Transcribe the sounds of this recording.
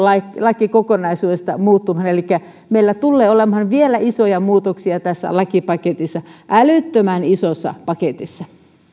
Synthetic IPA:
lɑklɑkikokonɑisuːdest̪ɑ̰muːt̪ːumhɑnelikːæ | meilːæt̪ulːeːolemhɑnʋielæʔisojɑmuːt̪oksiɑt̪æsːæ̰lɑkipɑket̪isːɑʔælyt̪ːømænisosːɑ̰pɑket̪isːɑ

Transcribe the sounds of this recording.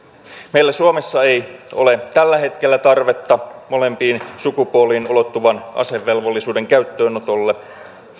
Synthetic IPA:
me̞jlːæsuomesːɑe̞jo̞̰le̞t̪ælːæɦe̞t̪k̟elːæt̪ɑrʋet̪ːɑmo̞le̞mpiːnsukupuolˑiːnolo̞t̪ːuʋɑnʔɑ̰se̞ʋːe̞lʋolːisuːde̞ŋkæyt̪ːøːnot̪olːe

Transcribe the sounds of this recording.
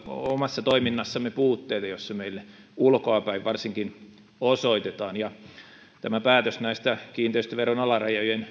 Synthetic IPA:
omɑsːɑt̪oiminːɑsːɑmːepuːt̪ːeːt̪ɑjosːɑmeilː | ulkoɑpæiʋʋɑrsiŋkin | osoit̪et̪ɑːnjɑ | t̪æmæpæːt̪øsnæist̪ækiːnt̪eist̪æʋeronɑlɑrɑjojen

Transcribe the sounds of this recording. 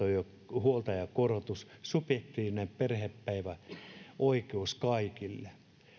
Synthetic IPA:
ojo | huolt̪ɑjɑkorot̪ussupjek̚t̪iːʋinemperheppæiʋæʔoikeuskɑikilːe

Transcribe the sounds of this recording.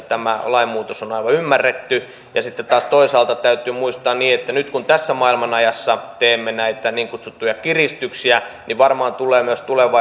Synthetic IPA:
t̪æmælɑimmuːt̪osonɑiʋɑymːærːet̪ːy | jɑsit̪ːett̪ɑːst̪oisɑːlt̪ɑt̪æyt̪ˑyːmuist̪ɑːnniːet̪ːænyt̪kunt̪æsːæmɑilmɑnɑjɑsːɑt̪eːmːenæit̪æniːŋkut̪sut̪ːujɑkirist̪yksiæniʋɑrmɑːnt̪ulˑeːmyøst̪uleʋɑ

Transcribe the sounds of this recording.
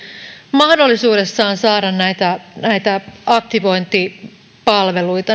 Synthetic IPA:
mɑhdolːisuːde̞sːɑːnsɑːɾɑnnæjt̪ænæjt̪æʔɑkt̪iʋo̞jnt̪i | pɑlʋe̞lujt̪ɑ

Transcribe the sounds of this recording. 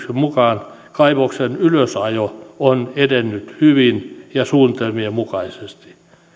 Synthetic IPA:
semmukɑːn | kɑiʋoksenyløsɑjoonedenːyt̪hyʋinjɑsuːnt̪emiemukɑisest̪i̥

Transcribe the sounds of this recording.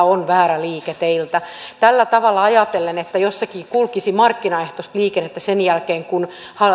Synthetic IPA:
onʋæːɾæliːket̪eilt̪ɑt̪ælːæt̪ɑʋɑlːɑɑjɑt̪elːenet̪ːæjosːɑkiːkulkisimɑrkːinɑeht̪ost̪liːkenːet̪ːæsenjælkeːŋkun | hɑ

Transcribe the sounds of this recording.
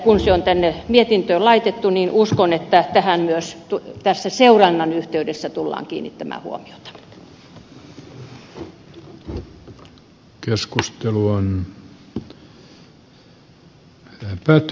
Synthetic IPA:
kunseont̪ænːemiet̪int̪øːlɑit̪et̪ːuniːnʔuskonet̪ːæt̪æhænmyøst̪ut̪æsːæseurɑnːɑnyht̪eydesːæt̪ulːɑ̰ːŋkḭːnːḭt̪t̪ːæmæ̰ːhṵo̰mio̥t̪ɑ̥ | keskust̪eluon | æpæt̪

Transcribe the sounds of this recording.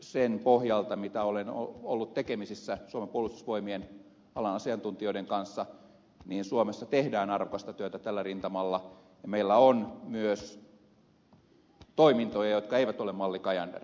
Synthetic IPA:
senpohjɑlt̪ɑmit̪æoleno̰olːut̪t̪ekemisisːæsuomepuolust̪usʋoimien | ɑlɑnɑsiɑnt̪unt̪ioideŋkɑnsːɑ | niːnsuomesːɑt̪ehdæːnɑrʋokɑst̪ɑt̪yøt̪æt̪ælːærint̪ɑmɑlːɑ | jɑmeilːæonmyøs | t̪oimint̪ojɑjot̪kɑeiʋæt̪olemmɑlːikɑjɑndḛr

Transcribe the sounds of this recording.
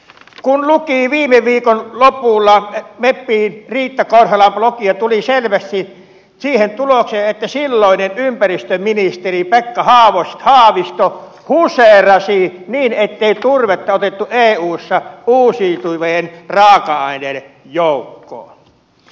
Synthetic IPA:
kunlukiːʋiːmeʋiːkonlopulːɑmepːiːnriːt̪ːækorhɑlɑmplokiɑt̪uliselʋæst̪i | siːhent̪ulokseːʔet̪ːæsilːoˑinenympærist̪øminist̪eripekːɑhɑːʋost̪hɑːʋist̪o | huserɑsiniːnet̪ːeˑit̪urʋet̪ːɑot̪et̪ːuʔeːuːsːɑuːsiːt̪uʋeenrɑːkɑɑˑineljoˑukːo̰ː

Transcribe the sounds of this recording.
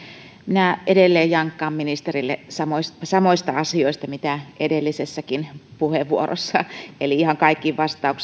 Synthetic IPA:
minæedelːeːjjɑŋkːɑːmminist̪erilːḛsɑmoissɑmoist̪ɑɑsioist̪ɑmit̪æʔedelːisesːækinpuheʋːuoro̰sːɑeliihɑŋkɑikːiʋʋɑst̪ɑuks

